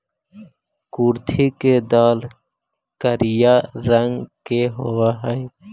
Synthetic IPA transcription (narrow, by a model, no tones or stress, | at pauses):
kuːɾt̪ʰiked̪aːl | kəɾɪjaɾəŋɡkeɦowaɦɛj